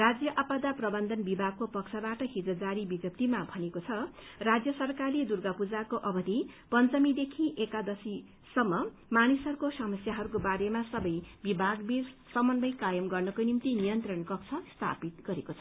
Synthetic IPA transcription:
rad͡zjʌʔapad̪aprʌbʌnd̪ʱʌnbibʱaɡ̚kopʌkt͡sʰabaʈʌɦid͡zʌd͡zaɾibid̪jʌp̚t̪imabʱʌnekot͡sʰʌ | rad͡zjʌsʌrkarled̪urɡapud͡zakoʔʌbʌd̪ʱipʌnt͡sʌmid̪ekʰĩʔekad̪ʌsi | sʌmːʌ | manisɦʌɾukosʌmʌsjaɦʌɾukobaɾemasʌbʌjbibʱaɡbirsʌmʌnbʌjkajʌmɡʌrnʌkonimt̪inijʌnt̪rʌnkʌk̚t͡sʰʌst̪ʰa̰pit̪̚ɡʌɾekot͡sʰʌ

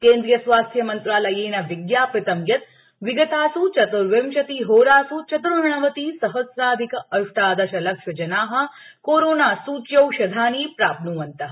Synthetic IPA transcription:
kẽːnd̪ɾijɐsʋaːst̪ʰjɐmɐnt̪ɾaːlɐjeːnɐʋiɡjaːpɾɐt̪ɐmjɐt̪̚ | ʋiɡɐt̪aːsut͡ʃɐt̪uɾʋemʃɐt̪iːɦoːɾaːsut͡ʃɐt̪uɾɦɐɳɐʋɐt̪iːsɐɦɐsɾaːd̪ʱikɐɐʂʈ̪aːd̪ɐʃɐlɐkʂɐd͡ʒɐnaːɦɐ̆ | koːɾoːnaːsuːt͡ʃjɐwʃɐd̪ʱaːniːpɾaːpnuːʋɐnt̪ɐ

